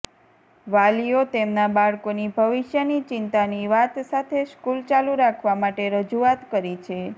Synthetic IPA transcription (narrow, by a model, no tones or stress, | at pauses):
ʋalijot̪emnabaɭkonibʱəʋiʃjənit͡ʃɪnt̪aniʋat̪sat̪ʰeʃkult͡ʃaluɾakʰʋamaʈeɾəd͡ʒuat̪kəɾit͡ʃʰe